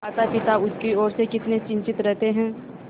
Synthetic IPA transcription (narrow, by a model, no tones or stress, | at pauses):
aːt̪apɪt̪aʊkiɔːɾsekɪt̪net͡ʃɪ̃ɲt͡ʃɪt̪ɾɛɦt̪eɦɛ̃ː